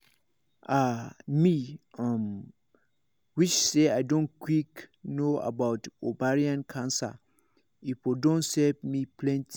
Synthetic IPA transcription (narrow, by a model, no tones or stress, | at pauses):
amĩãm | wit͡ʃseadõnkʰwiknoa̰bawtobaɹiãnkʰãnsa̰ | ipʰɔdõnsɛpmĩpʰlɛ̃ntʰ